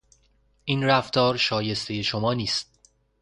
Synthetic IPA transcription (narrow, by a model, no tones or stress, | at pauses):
ʔiːnɾæft̪ʰɒːɾʃɒːje̞st̪ʰe̞je̞ʃomɒːniːst̪̚